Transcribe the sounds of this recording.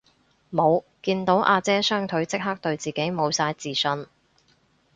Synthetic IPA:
mo˨˧wkiː˧nt̪o˨˥wʔaː˧t͡sɛː˥sœː˥ŋt̪ʰɵ˨˥ɥt͡sɪ˥k̚ɦɐ˥k̚t̪ɵ˧ɥt͡siː˨˩ke˨˥jmo˨˧wsaː˧jt͡siː˨˩sɵ˧n

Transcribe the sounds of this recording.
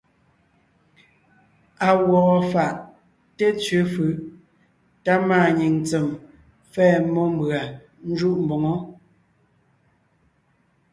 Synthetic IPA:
a˨wɔ˨ʔɔ˨fa˨ʔ | te˦t͡sɥʉ˨˦fɯ˨ | ta˦maː˦˨ɲi˨ŋt͡sɛ˨m | fɛː˦˨mɔ˦m˦bɰa˨ | n̩˦d͡ʒu˦ʔm̩˨bɔ˨ŋɔ˦

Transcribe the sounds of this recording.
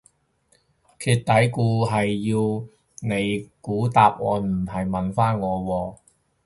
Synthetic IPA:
kʰyː˧t̚t̪ɐ˨˥jkuː˧ɦɐ˨jːiː˧w | ne˨˧jkuː˨˥t̪aː˧p̚ŋɔ̰ː˨˧m̩˨˩hɐ˨˩jmɐ˨nfaː˥nŋɔː˨˧wɔː˧

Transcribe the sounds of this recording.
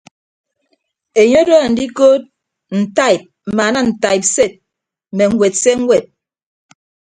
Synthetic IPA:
e˨ɲo˦do˦a˨n̩˨di˦ko˦t̚ | n̩˨ta˦˨i˨p̚m̩˨ma˨na˦n̩˨ta˨jp̚se˦˨t̚ | mɛ˨ŋ̩˨we˨t̚se˦ŋ̩˦wɛ˨t̚

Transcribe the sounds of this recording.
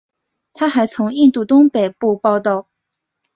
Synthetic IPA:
t̪ʰa˥xa˧˥ɪt͡sʰʊ˧˥ŋi˥˧nt̪u˥˩t̪ʊ˥ŋpe˨˩ɪpu˥˧pɑ˥˧ʊt̪ɑ˥˩ʊ

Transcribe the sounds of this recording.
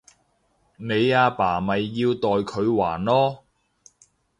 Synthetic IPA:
ne˨˧jaː˧paː˨˩mɐ˨jːiː˧wt̪ɔː˨jkʰɵ˨˧ɥwaː˨˩nlɔː˥

